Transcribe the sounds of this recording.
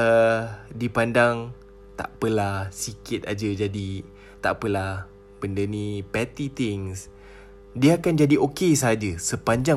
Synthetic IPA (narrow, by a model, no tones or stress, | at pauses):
ədipandaŋ | t̪a̰ʔpəlasikɪt̪̚ad͡ʒəd͡ʒadi | t̪a̰ʔpəlah | pəndənĩpɛt̪it̪ɪŋs | diaakand͡ʒadiʔokes̬əɦad͡ʒəsəpaɲd͡ʒa